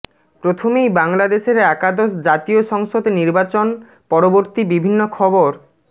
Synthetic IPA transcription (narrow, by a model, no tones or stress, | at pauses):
pɾot̪ʰomejbaŋlad̪eʃeɾɛkad̪osd͡ʑat̪ioʃɔŋʃod̪niɾbat͡ɕon | pɔɾoboɾt̪ibibʱinːokʰɔboɾ